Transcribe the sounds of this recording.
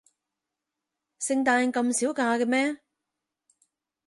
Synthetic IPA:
sɪ˧ŋt̪aː˧nkɐ˧msiː˨˥wkaː˧kɛ˧mɛː˥

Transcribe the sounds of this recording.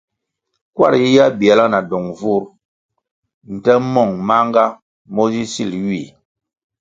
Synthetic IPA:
kwa̰˦˨ɾji˦ja˦bi˨a˨la˦na˨dɔ˨ŋvu˦ɾ | n̩˨tɛ˦mɔ˦˨ŋma˦ŋ˦ɡa˦ | mɔ˦zi˦si˦˨lɥi˦˨

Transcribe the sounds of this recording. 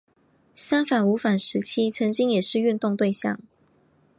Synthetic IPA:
ɕja˥ŋfa˨˩nu˧˥fa˨˩nʂɻ̩˧˥t͡ɕʰi˥t͡sʰə˧˥ŋt͡ɕi˥ŋjɛ˨˩ʂɻ̩˥˧y˥˧nt̪ʊ˥˧ŋt̪we˥˧ɪɕjɑ̰˥˨˩ŋ

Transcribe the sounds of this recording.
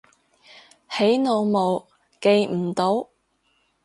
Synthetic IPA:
he˨˥jno˨˧wmo˨w | ke˨˧jm̩˨˩t̪o˨˥w

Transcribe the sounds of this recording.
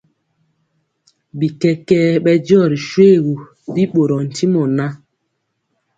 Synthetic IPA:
bi˨kɛ˦kɛː˦ɓɛ˦d͡ʒɔ˦˨ɾi˨ʃwe˦˨ɣu˨ | di˦ɓo˨ɾɔ˨n̩˨ti˦mɔ˨na˦

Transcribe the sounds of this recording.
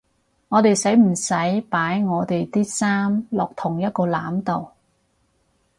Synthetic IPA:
ŋɔː˨˧t̪e˨jsɐ˨˥jm̩˨˩sɐ˨˥jpaː˨˥jŋɔː˨˧t̪e˨jt̪iː˥saː˥mlɔː˨k̚t̪ʰʊ˨˩ŋjɐ˥t̚kɔː˧laː˨˥mt̪o˨w

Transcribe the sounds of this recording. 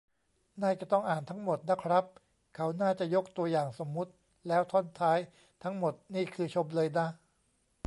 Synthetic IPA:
naː˥˩jt͡ɕa˨˩t̪ɔ˥˩ŋʔaː˨˩nt̪ʰa˦˥ŋmo˨˩t̪̚na˦˥kʰɾa˦˥p̚ | kʰa˦˥wnaː˥˩t͡ɕa˨˩jo˦˥k̚t̪u˧ɐjaː˨˩ŋso˩˦mːu˦˥t̪̚ | lɛː˦˥wt̪ʰo˥˩˨nt̪ʰaː˦˥j | t̪ʰa˦˥ŋmo˨˩t̪̚niː˥˩kʰɯː˧t͡ɕʰo˧mlɤː˧jna˦˥

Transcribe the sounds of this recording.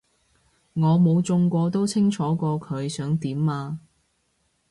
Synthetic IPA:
ŋɔː˨˧mo˨˧wt͡sʊ˧ŋkʷɔː˧t̪o˥wt͡sʰɪ˥ŋt͡ʃʰɔː˨˥kɔː˧kʰɵ˨˧ɥsœː˨˥ŋt̪iː˨˥maː˧

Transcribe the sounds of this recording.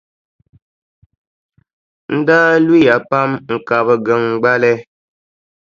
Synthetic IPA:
n̩˦daː˦li˦ja˨pa˦mŋ̩˨ka˨bə˨ɡə˨ŋ̩˨ɡ͡ba˦lɛ˦

